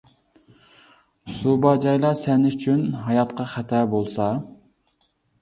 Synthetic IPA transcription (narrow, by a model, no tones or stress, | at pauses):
subɑd͡ʒɑjlˠɑsɛnɪyt͡ʃʰynɦɑjɑt̪qɑχæt̪ʰɛbolˠsɑ